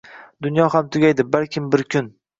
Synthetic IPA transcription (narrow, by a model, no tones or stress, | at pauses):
d̪ʊnjɒhamt̪ʰʊɡʲajd̪ɪbalkʲʰɪmbɪɾkʲʰʊn